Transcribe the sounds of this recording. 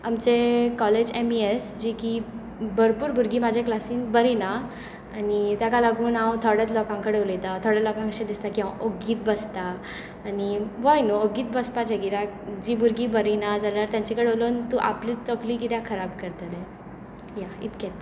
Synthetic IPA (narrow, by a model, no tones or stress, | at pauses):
amt͡ɕekɔled͡ʑemiesd͡ʑiki | bʱəɾpuːɾbʱuɾɡiːmad͡ʑʱeklasiːnbəɾina | anit̪jakalaɡuːnãwt̪ʰɔɽjɛt̪lɔkãŋkəɽeʋlət̪at̪ʰɔɽɛlɔkãŋkəɕẽd̪ist̪akiɦãʔəɡiːt̪̚bəst̪aː | niʋajnoəɡiːt̪̚bəspat͡ɕaɡiɾakd͡ʑibʱuɾɡiːbəɾinad͡zaljaɾt̪jãɲt͡ɕikəɽeolont̪uʔa̰plit͡səkliːkit̪jãkʰəɾabkəɾt̪əlɛ | jaḭt̪kɛt̪